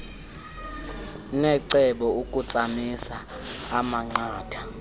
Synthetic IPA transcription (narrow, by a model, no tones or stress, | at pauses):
nɛǀɛɓɔukʼut͡sʼamisaː | maŋ͡ǀaːtʰa